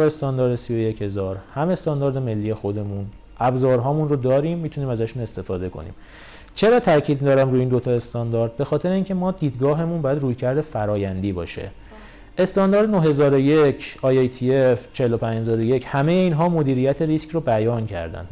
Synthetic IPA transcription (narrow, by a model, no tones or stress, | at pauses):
est̪ɒːnd̪ɒːɾd̪esijo̞je̞che̞zɒːɾhæme̞st̪ɒːnd̪ɒːɾd̪e̞me̞lːiːje̞xo̞d̪e̞mun | ʔæbzɒːɾɦɒːmunrod̪ɒːɾiːmːiːt̪ʰuniːmæzæʃune̞st̪e̞fɒːd̪e̞kʰo̞̰nḭːm | t͡ʃʰe̞ɾɒːt̪ʰæɾcʰiːd̪d̪ɒːɾæmɾuːiːnd̪ot̪ʰɒe̞st̪ɒnd̪ɒːɾd̪̚be̞xɒːt̪ʰe̞ɾeiːncʰe̞mɒːd̪iːd̪ɡɒːɦe̞munbɒːjæd̪ruːjcʰæɾd̪efæɾɒːjænd̪iːbɒ̰ːʃe̞̰ | ʔe̞st̪ɒnd̪ɒːɾd̪enoɦe̞zɒːɾojecʰɒːjejt̪ʰieft͡ʃʰe̞helopʰænd͡ʒhezɒːɾojechæme̞jeiːnɦɒːmo̞d̪iːɾijæt̪ʰe̞ɾiskrobæjɒːncʰæ̰ɾd̪æ̰nd̪